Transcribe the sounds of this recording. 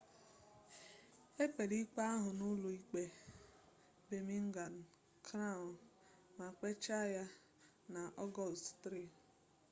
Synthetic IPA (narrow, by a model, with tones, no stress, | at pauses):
e˦k͡pe˨ɾi˦k͡pa˦a˦ɦʊ˨nʊ˦lu˨i˦k͡pe˦ | be˨mi˦ŋ̩˦ɡa˨n̩˨ | kʰɾa˦˨nma˨k͡pe˦t͡ʃa˦ja˦ | na˨ʔɔ˦ɡɔ˦˨lstɾi˦˨